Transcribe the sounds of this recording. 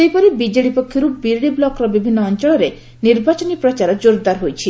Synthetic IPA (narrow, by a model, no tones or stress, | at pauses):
ejpɔɾibid͡ʒeɽipɔkʰːjɔɾubiɾɽiblɔkɾɔbibʱinːɔːnt͡ʃɔɭɔɾe | niɾbat͡ʃɔnipɾɔt͡ʃaɾɔd͡ʒoɾd̪aɾɦojt͡ʃʰi